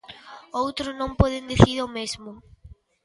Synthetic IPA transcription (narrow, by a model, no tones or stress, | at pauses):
owt̪ɾʊznõmpɔðend̪iθiɾomezmʊ